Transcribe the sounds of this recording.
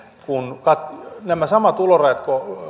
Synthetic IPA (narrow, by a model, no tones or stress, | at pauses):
kunkɑt̪næmæsɑmɑt̪uloreːt̪ko